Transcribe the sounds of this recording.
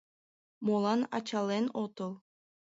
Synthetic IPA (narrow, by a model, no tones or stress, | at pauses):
molˠɑnɑ̰t͡ɕɑlʲˠenot̪ɤ̆lˠ